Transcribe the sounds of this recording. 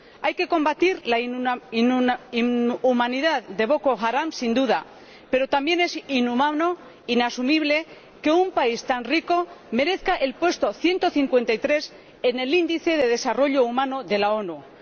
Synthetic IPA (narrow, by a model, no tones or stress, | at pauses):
ajke̞ko̞mbat̪iɾlainiumãniðaððe̞βo̞ko̞xaɾamsind̪uða̰ | pe̞ɾo̞t̪ambje̞ne̞sinumano | inasumiβ̞le̞ | ke̞umpaist̪anriko̞me̞ɾe̞θkaʔelpwe̞st̪o̞θje̞nt̪o̞θiŋkwe̞nt̪ajt̪ɾe̞s | e̞ne̞lind̪iθe̞ð̞e̞ð̞e̞saro̞ʎo̞umãnoðe̞lao̞nu